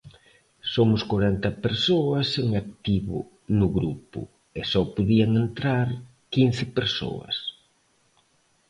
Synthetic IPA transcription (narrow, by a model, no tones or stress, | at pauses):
somʊskoɾɛnt̪ɐpeɾsoɐseŋak̚t̪iβʊ̰ | nʊɣɾupʊ̰ | esɔpoðiɐŋent̪ɾaɾ | kinθɪpeɾso̰ɐ̰s